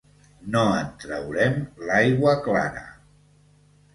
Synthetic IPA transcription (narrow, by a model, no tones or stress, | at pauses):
noənt̪ɾəwɾɛmlajɣwəkla̰ɾə̰